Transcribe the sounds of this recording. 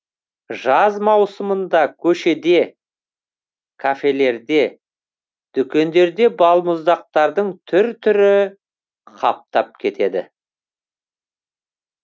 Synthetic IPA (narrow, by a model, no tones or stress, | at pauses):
ʒɑzmɑwsəmənd̪ɑkʲʰɵʃe̞d̪e̞ | kʰafe̞le̞ɾd̪e̞ | d̪̥ʏkʲe̞nd̪e̞ɾd̪e̞bɑlˠmʊzd̪ɑq̚t̪ɑɾd̪əɴt̪ʰʏɾt̪ʰʏɾɪ | qʰɑp̚t̪ɑp̚kʲʰe̞t̪e̞d̪ɪ̰